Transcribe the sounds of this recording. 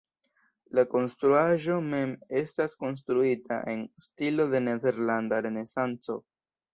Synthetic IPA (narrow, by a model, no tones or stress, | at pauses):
lako̞nstɾuaʒo̞me̞me̞stasko̞ns̬tɾuita̰ʔe̞nstilo̞ðe̞ne̞ðe̞ɾlandaɾe̞ne̞sant͡so̞̰